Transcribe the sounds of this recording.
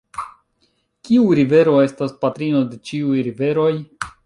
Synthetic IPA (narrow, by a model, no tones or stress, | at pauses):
kʲiuɾive̞ɾo̞e̞staspat̪ɾino̞de̞t͡ʃiujɾive̞ɾo̞j